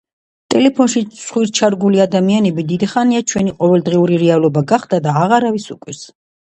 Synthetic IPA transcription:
t̪ʼɛlɛpʰɔnʃisʰχwiɾt͡ʃʰaɾɡuliad̪amianɛbid̪id̪iχaniat͡ʃʰwɛniqʼɔvɛld̪ʁiuɾiɾɛalˠɔbaɡaχd̪̥ad̪aːʁaɾavisukʼwis

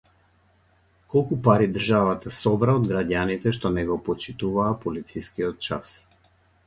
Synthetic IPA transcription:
kɔlˠkupaɾid̪rʒavat̪ʰasɔbɾaod̪ɡɾaɟanit̪ɛʃt̪ɔnɛɡɔpɔt͡ʃit̪uvaːpɔlit̪sijskiɔt̪̚t͡ʃa̰s

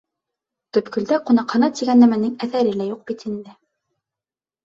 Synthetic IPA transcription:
t̪ɵ̆pkɵ̆ld̪æqunɑqhɤ̆nɑt̪iɡænːæmænɘŋæθæɾɘlæjuq̚b̥it̪ind̪ɘ

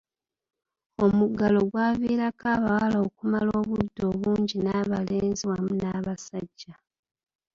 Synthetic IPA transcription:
o̞muɡalo̞ɡwaːviːɾakaβawalaokumalo̞ːβudːo̞ːβuːɲɟinaβale̞ːnziwamunaːβasaɟːa

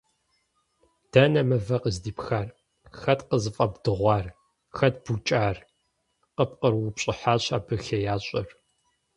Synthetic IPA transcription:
d̥ɐnɐmɐvɐqəzdiːpxaːr | xɐtqəzɨfʼɐbdɨʁʷɑːr | xɐtb̥ut͡ʃʼaːr | qəp̚qərwʊpɕʼɪħaːɕa̰ːbɨxɐjaːɕʷʼɐr

